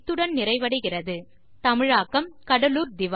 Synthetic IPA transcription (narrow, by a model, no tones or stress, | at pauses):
t̪ːɯɽɐnnɪɾɐɪʋɐɽɯɣɪrɐðɯ | t̪ɐmɪɻaːkːɐmkɐɽɐluːɾd̪ɪʋ